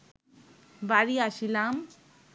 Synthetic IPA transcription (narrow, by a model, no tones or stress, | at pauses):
baɾiasilam